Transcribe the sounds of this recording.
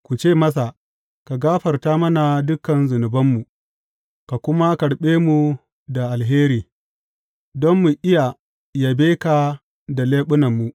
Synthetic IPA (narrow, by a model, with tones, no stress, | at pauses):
kʷu˨t͡ʃeː˦˨mɐ˦s̬a˨ | ka˨ɡaː˦ɸɐ˨rtaː˦mɐ˦na˨dʊ˦kːɐ˨nzʊ˨nʊ˨bɐ˦mːu˨ | ka˨kʷʊ˦ma˦kɐ˨ɽɓeː˦mu˨ | da˨ʔa˨lɦeː˦ɾiː˨ | dɔ˦mːu˨ʔɪ˦ja˨ | ja˨beː˦ka˨ | da˨leː˦ɓʊ˦nɐ˨mːu˨ʔ